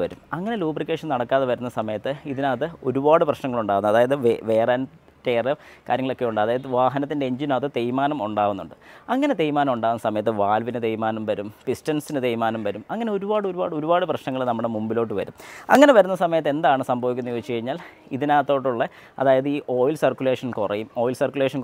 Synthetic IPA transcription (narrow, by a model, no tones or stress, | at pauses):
ʋɐɾumɐŋːɐne̞luːbrikːeːʂɐnɐɽɐkːaːðeʋɐɾunːɐsɐmɐjɐt̪ːɨiðinaːt̪ːɨo̞̰ɾubaːɽɨprɐɕnɐŋːɐɭuɳɖaːʋunːɐðaːjɐðɨʋʋeːraːn | tːeːrɐ | kaːɾjɐŋːɐɭo̞kːe̞uɳɖɨɐðaːjɐðɨʋaːɦɐnɐt̪ːinde̞eɲd͡ʑinaːt̪ːɨt̪ejmaːnɐmuɳɖaːʋunːuɳɖɨɐŋːɐne̞t̪ejimaːnɐmuɳɖaːunːɐsɐmɐjɐt̪ːɨʋaːlʋinɨt̪ejmaːnɐmʋɐɾumpistɐnsinɨt̪ejmaːnɐmʋɐɾumɐŋːɐne̞o̞ɾubaːɽɨo̞ɾubaːɽɨo̞ɾubaːɽɨprɐɕnɐŋːɐɭnɐmːuɽemumbilo̞ːʈ̬ːɨʋɐ̰ɾumɐ̰ŋːɐne̞ʋɐɾunːɐsɐmɐjɐt̪ːe̞nd̪aːɳɨsɐmbʱɐːʋikʲːunːɐjoːt͡ɕːɨkɐɻiɲːaːl | iðinaːt̪ːo̞ːʈːuɭːɐ | ɐ̰ðaːjɐðɨiːʔo̞ːjlsɐrkʲːuleːʂɐnkurɐjumo̞ːjlsɐrkʲjuleːʂɐn